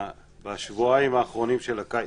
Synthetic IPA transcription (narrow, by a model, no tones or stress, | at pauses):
baʃvuaimaːχʁo̞nimʃelakaj